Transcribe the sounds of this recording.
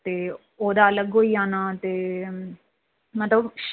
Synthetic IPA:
t̪eː | oːd̪aːələɡɦoːiːaːnaːt̪eː | mət̪ləbʃ

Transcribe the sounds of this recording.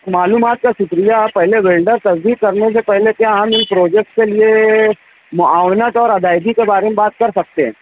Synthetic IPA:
maːluːmaːt̪̚kasʊkɾijapɛɦleʋeːlɖəɾt̪ɐsd̪iːk̚kɐɾnes̬epɛɦlek̪jaɦɐmɪnpɾoːd͡ʒek̚ʈkelie | mʊaːwɽnət̪ɔːɾɐd̪aːɪd̪ikebaːɾemẽbaːt̪̚kɐɾsɐk̚t̪eɦɛ̰̃ː

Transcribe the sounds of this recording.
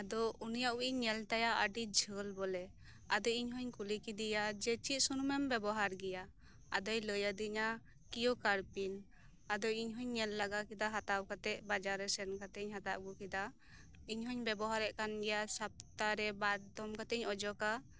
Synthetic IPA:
ad̪ɔunijaʔuiɲːɛlt̪ajaʔəɖid͡ʒʱəlbɔlɛ | ad̪ɔiɲɦɔɲkulikid̪ijad͡ʒɛt͡ʃit̪̚sunumɛmbɛbɔɦaɾɡɛja | a̰d̪ɔjləjad̪iɲa | kijɔkaɾpin | ad̪ɔiɲɦɔɲːɛlːaɡakid̪aɦat̪awkat̪ɛʔbad͡ʒaɾɛsɛnkat̪ɛɲɦat̪aʔɡɔkid̪a | iɲɦɔɲbɛbɔɦaɾɛʔkanɡɛjasap̚t̪aɾɛbaɾd̪ɔmkat̪ɛɲɔd͡ʒɔka

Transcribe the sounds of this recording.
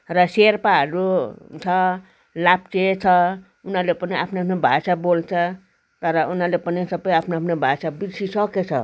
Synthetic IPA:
ɾʌseɾpaɦʌɾut͡sʰʌ | lap̚t͡ʃet͡sʰʌ | unalepʌniapʰneapʰnebʱa̰sabolt͡sʰʌ | t̪ʌɾʌʔunɦalepənisʌbəjapʰneapnebʱasabid̪sisʌket͡sʰʌ̰

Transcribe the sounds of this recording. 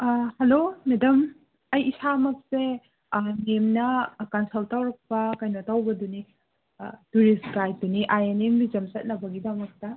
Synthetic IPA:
helomedɐm | ɐjisamɐk̚se | memnɐkɐnsoltawɾɐk̚pɐkɐjnotawbɐduni | tuɾiskaj̚duniʔajenembizɐmsɐt̚nɐbɐɡidɐmɐk̚tɐ

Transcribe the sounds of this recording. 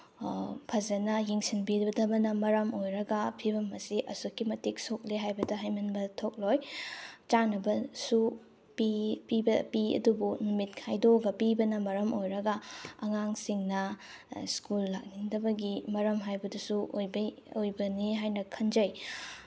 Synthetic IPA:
pʰɐzɐnɐjeŋsinbidbɐdɐbɐnɐmɐɾɐmojɾɐɡɐpʰibɐmɐsiʔɐsokʰːimɐtik̚sok̚liɦajbɐdɐɦajmɐnbɐtʰok̚lojt͡ʃanɐbɐsu | pipibɐpiɐ̰dubunumit̚kʰajdoɡɐpibɐnɐmɐɾɐmojɾɐɡɐɐŋaŋsiŋnɐ | skulːak̚niŋdɐbɐɡimɐɾɐmɦajbɐdusuʔojb | ojbɐniɦajnɐkʰɐnd͡ʒɐj

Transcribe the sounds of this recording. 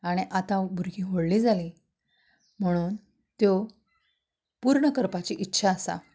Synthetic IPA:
aɽ̃iʔat̪ãbʱuɾɡʱiːɦoɽliːd͡zaliː | m̤əɽ̃uːn | t̪jo | puɾɳəkəɾpat͡ɕiʔitːɕʰaəsa̰

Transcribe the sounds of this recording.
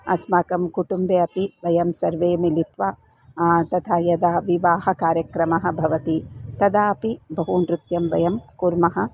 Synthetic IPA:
ɐ̰smaːkɐmkuʈumbeːɐpiʋɐjɐmsɐɾʋeːmilit̪ʋa | t̪ɐt̪ʰaːjɐd̪aːʋiʋaːɦɐkaːɾjɐkɾɐmɐɦɐ̆bʱɐʋɐt̪it̪ɐd̪aːɐpibɐɦunɾut̪jɐmʋɐjɐmkuɾmɐɦɐ̆

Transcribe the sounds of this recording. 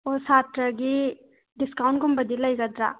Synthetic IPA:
osaːt̪ɾɐɡi | ɖiskawɳkumbɐd̪ilːaiɡɐd̪ɾa̰

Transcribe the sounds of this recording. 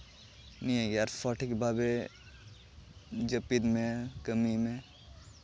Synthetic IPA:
nĩeɡaɾfɔʈʰikbabe | d͡ʒəpid̪mẽkəmimẽ

